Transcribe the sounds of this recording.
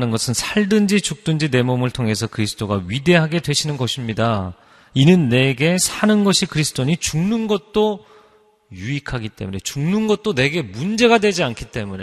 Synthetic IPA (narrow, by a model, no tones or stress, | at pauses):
nɯnɡʌsʰɯnsʰaɭdɯnd͡ʑit͡ɕuk̚t͈ɯnd͡ʑine̞momɯɭtʰoŋɦe̞sʰʌkɯɾisʰɯ̥t͈ʰoɡaɥide̞ɦaɡe̞dwe̞ɕʰinɯnɡʌɕʰimɲida | inɯnːe̞ɡe̞sʰanɯnɡʌɕʰikɯɾisʰɯ̥t͈ʰoɲit͡ɕuŋnɯnɡʌt̚t͈o | juikʰaɡit͈e̞̰mune̞t͡ɕuŋnɯnɡʌt̚t͈one̞ɡe̞mund͡ʑe̞ɡadwe̞d͡ʑiankʰit͈e̞mune